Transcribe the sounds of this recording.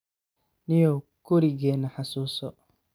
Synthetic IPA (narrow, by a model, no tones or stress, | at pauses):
nɪjɔkʊɾiɡɛːnɐħasuːsɔ